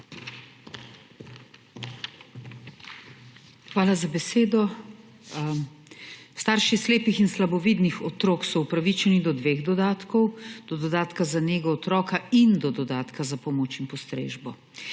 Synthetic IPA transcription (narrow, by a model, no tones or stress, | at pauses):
xʋaːlazabɛseːd̪ɔ | st̪aːɾʃisleːpixinslabɔʋiːd̪nixɔt̪ɾoːksɔupɾaʋit͡ʃɛnid̪ɔd̪ʋeːɣd̪ɔd̪aːt̪kɔwd̪̥ɔd̪ɔd̪aːt̪kazaneːɡɔːt̪ɾɔːkaind̪ɔd̪ɔd̪aːt̪kazapɔmoːt͡ʃinpɔst̪ɾḛːʒbɔ